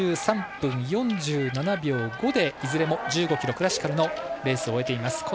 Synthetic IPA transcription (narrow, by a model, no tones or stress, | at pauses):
ɨːsãmpɯ̟̃ɰ̃jõ̞ɲd͡ʑɨːnanabʲo̞ːɡo̞d̪e̞izɨɾe̞mo̞d͡ʑɨːɡo̞kʲiɾo̞kɯ̟ɾaɕi̥kaɾɯ̟no̞ɾe̞ːsɨo̞e̞t̪e̞imasɨ̥ko